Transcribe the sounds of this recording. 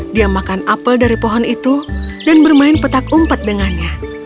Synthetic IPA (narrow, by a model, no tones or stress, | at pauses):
diamakanapəldaɾipɔɦɔnit̪udanbərmaɪnpət̪akumpat̪̚dəŋanɲa